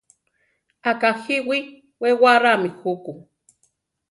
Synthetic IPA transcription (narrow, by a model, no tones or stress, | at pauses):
akahiwi | wewaɾamixuku